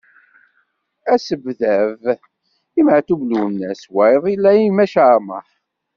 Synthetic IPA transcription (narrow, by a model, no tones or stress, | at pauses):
æsəbðæv | imʕθuvlunːæswæjðˤilːæimæʃamə̰ħ